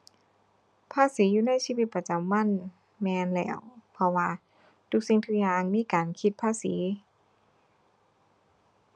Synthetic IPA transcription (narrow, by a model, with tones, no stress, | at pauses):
pʰaː˧˥˨siː˨˦juː˧na˧˥˨jsiː˧˨wi˧t̪̚pa˧t͡ɕa˨˦mːa˧˥˨n | mɛː˧nlɛ̰ː˧˩wpʰɔ˧waː˧ | t̪ʰu˧k̚si˧˩ŋt̪ʰu˧k̚jaː˧ŋmiː˧˥˨kaː˨nkʰi˧t̪̚pʰaː˧˥˨siː˩˦